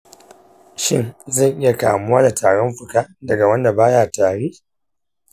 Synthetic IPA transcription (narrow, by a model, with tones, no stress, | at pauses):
ʃɪ˦˨ŋzɐ˦˨ŋʔɪ˦ja˨ka̰ː˨mʊ˦waː˦da˨tʰaː˨ɽɔ˦mɸʊ˨kaː˦dɐ˨ɡa˨wɐ˦nːda˨baː˦jaː˨taː˨ɽeː˦